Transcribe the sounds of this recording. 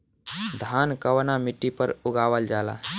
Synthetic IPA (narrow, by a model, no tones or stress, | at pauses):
d̪ʱaːnkəwnamɪʈːipəɾʊɡaːwəld͡ʒaːla̰ː